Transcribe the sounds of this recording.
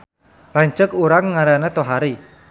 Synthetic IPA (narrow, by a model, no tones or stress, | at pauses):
laɲt͡ʃəkuɾaŋːaɾanet̪oɦaɾi